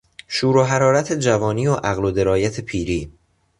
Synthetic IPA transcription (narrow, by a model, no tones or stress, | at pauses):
ʃuːɾoɦæɾɒːɾæt̪ʰe̞d͡ʒævɒːniːoʔæɣlod̪e̞ɾɒːjæt̪ʰe̞pʰiːɾiː